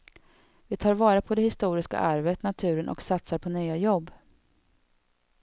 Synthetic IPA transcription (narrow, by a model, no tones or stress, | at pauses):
vɪt̪ʰɑːɾvɑːɾapʰɔd̪ɛhɪst̪uːɾɪska̰ʔaɾvət̪nat̪ʰʉ̟ːɾənʔɔ̰ksat̪saɾpʰɔnyːajɔbː